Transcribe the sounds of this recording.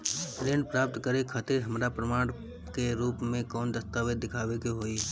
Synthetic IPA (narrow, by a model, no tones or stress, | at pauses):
ɾẽːɳɖ̚pɾaːp̚t̪kəɾekʰat̪ɪɾɦɐmɾapɾəmaːɽ̃ | keɾuːpmẽkɔːnd̪ɐst̪aːʋed̪ɪkʰaːʋekeɦoːi